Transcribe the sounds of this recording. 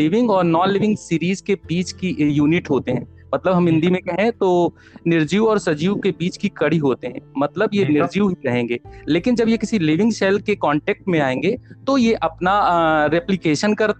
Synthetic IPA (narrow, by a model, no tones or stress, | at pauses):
ɪʋɪ̃ŋɡɔːɾnɔ̃ːlɪʋɪ̃ŋɡsiːɾiːzkebiːt͡ʃkijuːnɪʈɦoːt̪eɦɛ̃ː | mɐt̪ləbɦɐmɪ̃nd̪imẽkɐɦɛ̃t̪o | nɪɾd͡ʒiːʋɔːɾsɐd͡ʒiːʋkebiːt͡ʃkikɐɽiɦoːt̪eɦɛ̃ːmɐt̪ləbjenɪɾd͡ʒiːɦiɾɐɦẽːŋɡeːleːkɪnd͡ʒɐbjekɪsilɪʋɪ̃ŋɡsɛːlkekɔ̃ːɳʈeːk̚ʈmẽaːẽːŋɡet̪ojeʔɐpnaɾɛplɪkeːʃənkɐɾt̪